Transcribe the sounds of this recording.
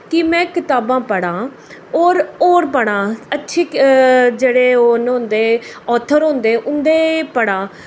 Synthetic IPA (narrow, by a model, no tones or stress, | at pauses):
kɪmɛ̃ːkɪt̪aːbãːpəɽãː | oːɾoːɾpəɽãːətːʃʰiːd͡ʒeːɽeːoːnɦʊ̃nd̪eːɔːt̪ʰəɾɦʊ̃nd̪eːʔʊnd̪eːpəɽãː